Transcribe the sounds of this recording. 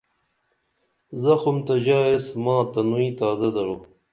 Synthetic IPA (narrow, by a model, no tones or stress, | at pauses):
zɐxʊmt̪ɐd͡ʑaːesmɑ̃ːt̪ɐnuĩt̪aːzɐd̪ɐɾu